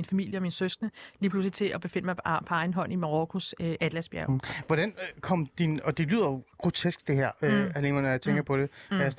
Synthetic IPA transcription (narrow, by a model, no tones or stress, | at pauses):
infæmil̰jəɒ̽minsøsnəliːpʰlusli̥t͡sʰe̝ʔɒ̽b̥e̝fe̝n̰əmɑpʰɒ̽ɑ̈ɪn̩ɦɒ̽n̰imɑʁɔkʰusøʔæd̥læsb̥jæɐʊʋɒɾ̥ænkʰɒ̽m̰d̥inɒd̥e̝ly̰ð̰ˠɐjo̝ɡ̥ʁo̝t͡sʰesɡ̥d̥e̝ɦæɐ̰øæle̝ːnɐnɒjät͡sʰeŋɡ̥əpʰɒ̽d̥e̝ɒjas